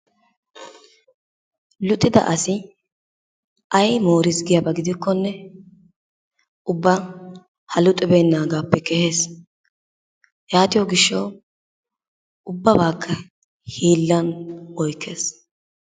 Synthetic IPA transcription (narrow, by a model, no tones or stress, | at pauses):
lʊt̪ʼːɪd̪ɐ̰ʔɐsɪ | ʔɐjmoːɾɪsɡɪjɐbɐɡɪd̪ɪkːɔnːɛ | ʊbːɐ | hɐlʊt̪ʼːɛbeːnːaːɡaːpːɛkɛhe̞ːs | jaːt̪ɪjɔɡɪʃːɐw | ʊbːɐbaːkʰːɐ | hiːlːɐnɔjkʰːeːs